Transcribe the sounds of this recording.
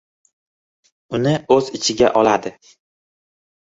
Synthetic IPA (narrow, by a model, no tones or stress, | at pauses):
ʊnɪɵzɪt͡ʃʰɪɡʲaʔɒlad̪ɪ